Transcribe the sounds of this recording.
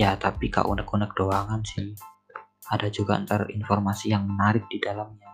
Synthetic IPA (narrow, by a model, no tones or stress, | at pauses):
jat̪apika̰ʔṵnəkunək̚doaŋansɪh | adad͡ʒuɡaə̰nt̪arḭnfɔrmasijaŋmənaɾɪk̚d̥idalamɲa